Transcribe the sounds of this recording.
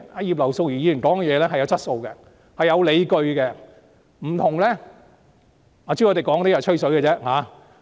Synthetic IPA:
aː˧jiː˨p̚lɐ˨˩wso˧wjyː˨˩jiː˨˥˨nkɔː˨˥ŋ˧jɛː˨˧lɛː˥hɐ˨jɐ˨˧wt͡sɐ˥t̚so˧wkɛ˧ | hɐ˨jːɐ˨˧wle˨˧jkɵ˧ɥkɛ˧ | m̩˨˩t̪ʰʊ˨˩ŋlɛː˥ | ŋɔː˨˧t͡ɕi˥ŋɔ˨˧t̪e˨˩jkɔː˨˥ŋt̪ːjɐ˨˩t͡ʃʰɵ˥sɵ˨˥ɡɛ˧t͡sɛː˥haː˨˥

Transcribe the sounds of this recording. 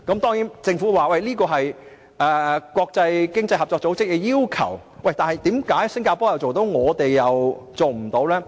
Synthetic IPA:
kɐ˧˥mt̪ɔː˥ŋjiː˨˥nt͡sɪ˧ŋfuː˨˥waː˨wɐ˥˩jliː˥kɔː˧ɦɐ˨j | ʔɛ˨˧kʷwɔː˧k̚t͡sɐ˧jkɪ˥ŋt͡sɐ˧jɦɐ˨p̚t͡ʃɔː˧k̚t͡so˨˥wt͡sɪ˥k̚ːɛ˧jiː˥wkʰɐ˨˩wwɐ˥˩jt̪aː˨nhɐ˨jt̪iː˨˥mkaː˨˥jsɪ˥ŋkaː˧pɔː˨˥jɐ˨wt͡so˨wt̪o˨˥wŋɔː˨˧t̪e˨jːɐ˨wt͡so˨wm̩˨˩t̪o˨˧˥wlɛː˥

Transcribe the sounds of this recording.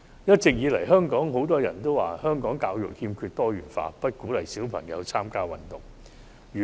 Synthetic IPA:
jɐ˥t̚t͡sɪ˨k̚jiː˨˧lɐ˨˩jɦœː˥ŋkɔː˨˥ŋɦo˨˥wt̪ɔː˥jɐ̰˨˩nt̪o˥waː˨hœː˥ŋkɔː˨˥ŋkaː˧wjʊ̰˨k̚hiː˧mkʰyː˧t̚t̪ɔː˥jyː˨˩nfa̰ː˧pɐ˥t̚kuː˨˥lɐ˨˩jsiː˨˥wpʰɐ̰˨˩ŋjɐ̰˨˧wt͡sʰaː˥mkaː˥wɐ˨nt̪ʊ˨˩ŋ | yː˨

